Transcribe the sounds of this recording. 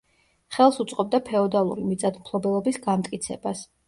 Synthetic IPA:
χɛlˠsut̪sʼqʼɔb̚d̪apʰɛɔd̪alˠṵɾimit̪sʼad̪mpʰlˠɔbɛlˠɔbisɡamt̪ʼkʼit̪sʰɛ̰bas

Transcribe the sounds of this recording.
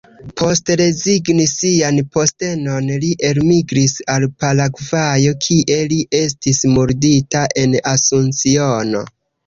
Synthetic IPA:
pʰo̞stɾe̞ziɡnisianpo̞ste̞no̞nliʔe̞lmiɡɾisalpalaɡvajo̞kʰiʔe̞liʔe̞s̬tismuɾditaʔe̞nasunt͡siono̞̰

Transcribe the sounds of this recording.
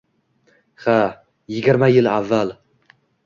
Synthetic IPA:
χa | jɪɡʲɪɾmajɪlavːal

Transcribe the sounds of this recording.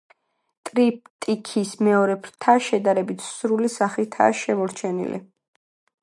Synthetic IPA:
t̪ʼɾip̚t̪ʼikʰismɛɔɾɛpʰɾt̪ʰaʃɛd̪aɾɛbit̪ʰsɾulisaχit̪ʰa̰ʃɛmɔɾt͡ʃʰɛnḭlḭ

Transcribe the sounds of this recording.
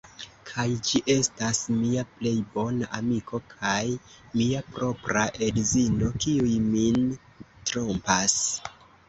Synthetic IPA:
kʰajd͡ʒiʔe̞stasmiaple̞jbo̞naʔamikʰo̞kʰaj | miapɾo̞pɾaʔe̞dzino̞kiujmin | tɾompas

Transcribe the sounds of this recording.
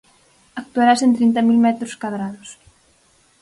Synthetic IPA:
ak̚t̪uaɾasent̪ɾint̪amilmɛt̪ɾʊskwaðɾaðʊs

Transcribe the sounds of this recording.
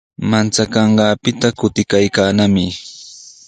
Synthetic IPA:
mant͡sakɑɴɢɑːpɪt̪akʊt̪ɪkajkaːnamɪ

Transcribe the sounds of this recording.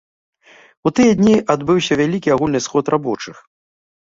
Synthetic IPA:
ut̪ɨjɐd̪ʲnʲiʔad̪bɨwsʲɐvʲalʲikʲiaɣulʲnɨsxɔt̪rʔabɔt͡ʂɨx

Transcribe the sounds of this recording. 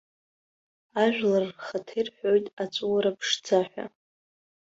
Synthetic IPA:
aʒᶣlarχatʰejrħʷᶣojtʼat͡sʷʼuwaɾapʰʂd͡zʰaħᶣʷa̰

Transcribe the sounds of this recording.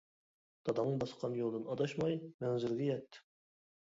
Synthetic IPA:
d̪̥ʰɑd̪ɑnːɨŋbɑsə̥qʰɑnjolˠd̪ɨnɑd̪ɑʃmɑjmɛnzɪɾɡʲɛjɛt̪ː

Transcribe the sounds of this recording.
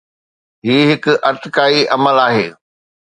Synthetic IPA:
ɦiːɦɪkʔɐɾt̪ɪkaːiʔɐməlaːɦeː

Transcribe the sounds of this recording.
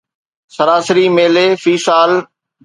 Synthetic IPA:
sɐɾaːsəɾimeːleːfiːsaːl

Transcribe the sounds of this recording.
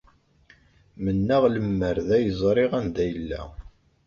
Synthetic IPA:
mənːæʁləmːəɾðæjəzˤɾˤɪʁænd̪æjəlːæ̰

